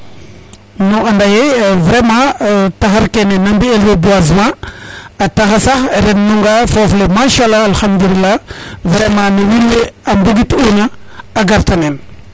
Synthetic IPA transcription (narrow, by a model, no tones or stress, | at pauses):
noandajevɾemãtaɦaɾkenenambielwebuazma | ataxasaɾennuŋɡafoflemaʃalːaalxamd̪ulilːavɾemãnuwilweambuɡituɲaː | ɡaɾtanen